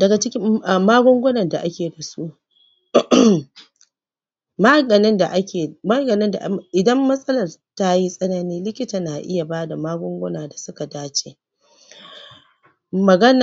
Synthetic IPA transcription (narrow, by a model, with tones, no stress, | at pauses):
dɐ˨ɡa˨t͡ʃɪ˦kʲɪ˦a˨maː˦ɡʷɔ˦ŋɡʷʊ˦nɐ˨nda˨ʔa˦kʲeː˨da˨su˦ | ma˦ɡɐ˨nɪ˦nda̰˨ʔa˦kʲeː˨ma˦ɡɐ˨nɪ˦nda̰˨ʔʔɪ˨dɐ˦mːɐ˦sʼɐ˦lɐ˨rta˦ji˦sʼɐ˦na˦niː˦lɪ˦kʲɪ˦taː˨naː˨ʔɪ̰˦ja˨baː˦da˨maː˦ɡʷʊ˦ŋɡʷʊ˦naː˨da˨sʊ˦ka˨daː˦t͡ʃeː˨ | mɐ˨ɡɐ˦na˨